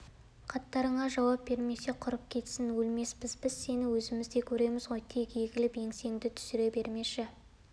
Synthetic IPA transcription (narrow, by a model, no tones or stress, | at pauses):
qʰɑt̪ːɑɾəɴɑʒɑwɑp̚be̞ɾme̞se̞qʰʊɾəp̚kʲʰe̞t̪sɪnwɵlme̞sbɪzbɪz̥se̞nɪwɵzɪmɪzd̪e̞kʲʰɵɾe̞mɪzʁo̞jt̪ʰe̞kjeɡʲɪlɪpje̞ŋse̞ŋd̪ɪt̪ʰʏ̥sɪɾe̞be̞ɾme̞ʃɪ